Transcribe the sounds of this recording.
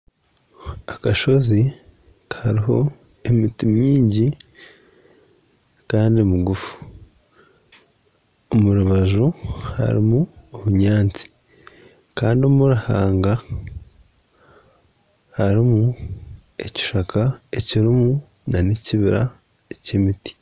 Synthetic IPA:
akaʃo̞zi | khaɾiɦo̞ | e̞mitimjiːɲɟi | kaːndiomuɡufu̥ | omuɾuβaʒuha̰ɾimuoβuɲaːnt͡si̥ | kaːndiomuɾaha̰ːŋɡa | haɾimu | e̞ci̥ʃakaeciɾimu | naneciβiɾa̰ | ecemiti̥

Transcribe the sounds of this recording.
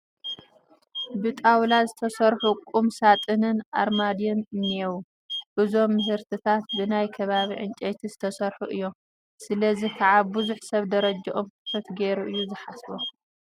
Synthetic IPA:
bɨt̪ʼawlazɨt̪ʰɐsɐɾħukʼumsat̪ʼɨnɨnʔa̰ɾmad̪innewu | ʔɨzo̞mːɨɦɨɾt̪ʰɨt̪ʰat̪̚bɨnajkʰɐβaβiʕɨnt͡ʃʼet̪ʰizɨt̪ʰɐsɐɾħuʔɨjːo̞m | sɨlɐzikʰaʕabuzuħsɐβd̪ɐɾɐd͡ʒɐʔomkɨt̪ʰɐt̪ɡeɾuʔɨjːuzɨħasbo

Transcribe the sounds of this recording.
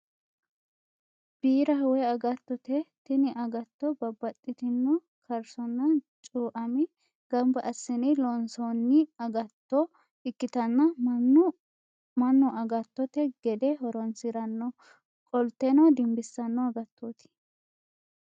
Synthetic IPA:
b̥iːɾɐɦʊwɛɐɡɐt̪ːɔt̪ɛt̪ɪnɪʔɐɡɐt̪ːɔbɐbːɐt̪ʼːɪt̪ɪnːʊ | kʰɐɾsɔnːɐt͡ʃʼuːʔɐmɪ | ɡ̥ɐmbɐʔɐsːɪnɪlonsonːɪɐɡɐt̪ːɔ | ɪkːɪt̪ɐnːɐ | mɐnːɔʔɐɡɐt̪ːɔt̪ɛɡɛd̪ɛɦɔɾɔnsɪɾɐnːɔ | kʼɔlt̪ːɛnɔd̪ɪmbɪsːɐnːɔɐɡɐt̪ʰːot̪ɪ̥

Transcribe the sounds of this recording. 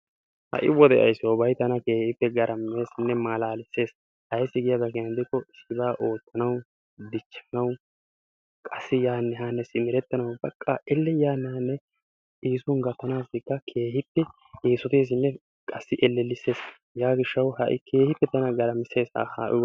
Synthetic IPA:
hɐ̰ʔɪ̰wɔd̪ɛʔɐ̰jsːɔbɐjt̪ɐnɐke̞ːhɪpːɛɡɐɾʔɐmːe̞ːsɪnːɛmaːlaːlɪsːe̞ːs | ʔɐjsːɪɡɪjɐd̪ɐɡɛjɐnd̪ɪkːɔɪsːɪbaːʔo̞ːt̪ːɐnɐw | d̪ɪt͡ʃːɐnɐw | kʼɐsːɪjaːnːɛɦaːnːɛsɪmɪɾɛt̪ːɐnɐwbɐkʼːaːʔɛlːɛjaːnːɛhɐnːɛ | iːsʊŋɡɐt̪ːɐnaːsd̪ɪkːɐkʰe̞ːhɪpːɛ | ʔeːsɔt̪eːs̬ɪnːɛ | kʼɐsːɪʔɛlːɛlːɪse̞ːs | jaːɡɪʃːɐwhɐʔɪ̰kʰe̞ːhɪpːɛt̪ɐnɐɡɐɾɐmɪse̞ːsha̰ːha̰ːʔɪ̰

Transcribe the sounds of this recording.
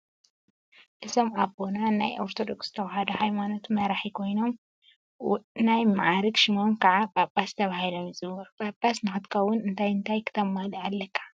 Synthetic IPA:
ʔɨsomabo̞nana̰jʔoɾt̪ʰo̞d̪oksz̥ɨt̪ʰɐwɐɦɐd̪ɐhajmano̞t̪mɐɾaħikʰo̞jno̞m | najmaʕaɾɨkʃɨmonkʰaʕabʼabʼast̪ʰɐβahilomjɨzɨβɐɾbʼabʼasnɨxɨt̪kʰɐwʊnɨnt̪ʰajɨnt̪ʰajkʰɨ̥t̪ʰɐmːalɐalːɐkʰːḁ

